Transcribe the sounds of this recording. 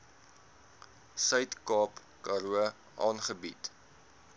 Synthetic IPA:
sœɥtkɑːp | kɑɾuə | ʔɑːnχəbit

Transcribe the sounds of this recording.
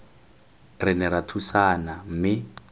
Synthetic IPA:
rɪnɛɾatʰusanamɪ

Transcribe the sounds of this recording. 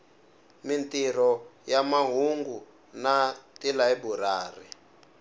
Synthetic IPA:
mintiɾ̤ɔjamaɦuŋɡu | natilaibuɾaːri

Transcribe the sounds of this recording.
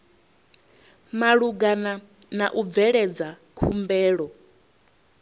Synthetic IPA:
maɺuɡana | naʔub̪vɛɺɛd͡za | kʰumbɛːɺɔ

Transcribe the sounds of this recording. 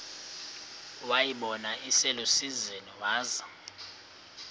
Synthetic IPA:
wajiɓɔnaʔisɛlosizɛniwaːza

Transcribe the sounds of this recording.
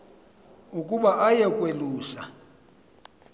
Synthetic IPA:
ukʼuɓaʔajɛkʼweluːsa

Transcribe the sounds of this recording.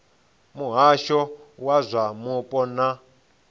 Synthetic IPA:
muɦaʃɔwazʷamupʼɔna

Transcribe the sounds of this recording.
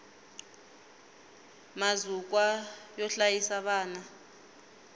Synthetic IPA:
mazuk̬wajɔɬajisaɓaːna

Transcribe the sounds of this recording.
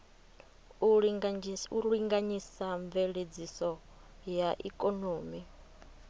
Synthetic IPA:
uɺiŋɡaɲisaɱveɺed͡zisɔ | jaʔḭkʼonoːmi

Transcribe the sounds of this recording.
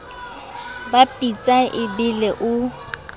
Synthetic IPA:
bapʼit͡sʼaʔɪbɪlɛʔʊ

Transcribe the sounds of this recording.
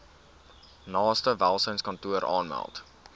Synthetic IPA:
nɑːstəvælˠsəjnskɐntuəɾʔɑ̰ːnmæ̰lˠt

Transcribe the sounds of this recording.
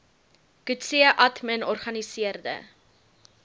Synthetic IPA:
kʉtsiəʔɐtmənɔrχɐnisiərdə̰

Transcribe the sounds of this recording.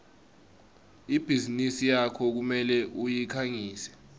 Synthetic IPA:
ib̥ʱizinisijakʰɔk̬umɛlɛʔujikʰaŋiːsɛ̥

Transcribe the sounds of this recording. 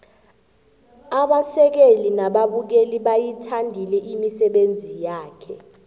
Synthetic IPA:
aɓasɛk̬elinaɓaɓuk̬eliɓajitʰandʱilɛʔimisɛɓend͡zʱijaːkʰɛ

